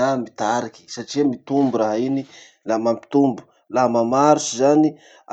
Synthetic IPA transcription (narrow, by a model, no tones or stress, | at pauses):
amit̪aɾiki̥saʈ͡ʂiamit̪umbuɾaɦaini | lamampi̥t̪umbu̥ | lamamaɾusizani